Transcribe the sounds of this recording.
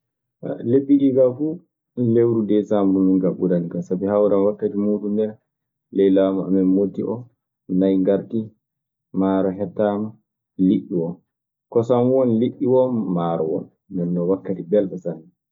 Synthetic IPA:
a̰leɓːikiɡafu | lewɾudɛsambɾumiŋɡaɓudanikasabihawɾamwakːatimudundɛɾ | lɛjlaːmaa̰mɛnmotːiʔɔ | najŋɡaɾti | maːɾɔɦɛtːama | liʔːiwɔn | kɔsamwɔnliʔːiwɔnːaːɾɔ̰wɔ̰n | dɛnːɔwakːatibɛlɓɛsanːɛ

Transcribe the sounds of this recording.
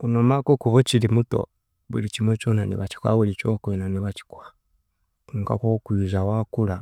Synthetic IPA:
unomakokuβot͡ʃilimuto̰ | βṵlit͡ʃimwet͡ʃoːnanḭβaci̥kwa̰βulit͡ʃokwenaniβat͡ʃi̥kwa | kuːŋka̰kokwizawakula

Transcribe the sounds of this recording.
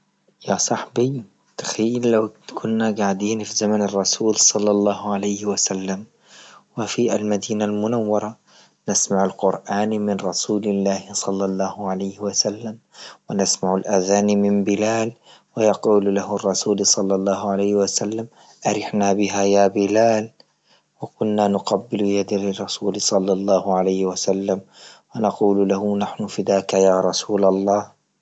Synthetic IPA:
jasˤɑħbi | t̪ḁxiːllawkʰʊnːaɡaʕd̪iːnfizamanɪrˤːɑsuːlsˤɑlːɑlˤːɑːhʕalajhwasalːam | wɪfia̰lmad̪iːnalmʊnawːɑɾˤɑ | nasmaʕalqʊɾʔaːnmɪnɾˤɑsuːlɪlːaːhsˤɑlːɑlˤːɑːhʕalajhwasalːam | wanasmaʕalʔaðaːnmɪmbɪlaːl | wajɑquːllahrˤːɑsuːlsˤɑlːɑlˤːɑːhʊʕalajhɪwasalːam | ʔaɾɪħnaːbɪɦajaːbɪlaːl | wakʊnːaːnʊqabːɪljad̪alrˤːɑsuːlsˤɑlːɑlˤːɑːhʊʕalajhɪwasalːamwanɑquːllahʊnaħnʊfɪd̪aːkajaːɾˤɑsuːlɑlˤːɑːh

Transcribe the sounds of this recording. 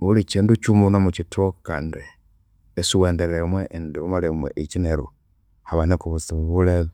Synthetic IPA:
ulit͡ʃiːndut͡ʃumunamut͡ʃitoka̰ːndi | esiweːndeɾemweindiumaɾimwḛʔit͡ʃineɾṵ | haβanikuβusiβuleð

